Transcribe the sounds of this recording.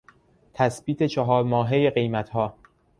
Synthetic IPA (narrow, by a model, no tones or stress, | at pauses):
t̪ʰæsbiːt̪ʰet͡ʃʰɒɦɒːɾmɒːɦejeɢe̞jmæt̪hɒː